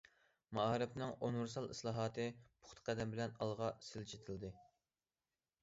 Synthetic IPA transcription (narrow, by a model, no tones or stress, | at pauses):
mɑɑɾɨpnɨŋonuɾsɑlˠislˠɑːɦɑːt̪ʰɨpʰʊ̥χt̪ʰqʰæd̪ɛmbɪlɛnɑlˠʁɑsɪlt͡ʃʰe̥t̪ʰɪld̪ɨ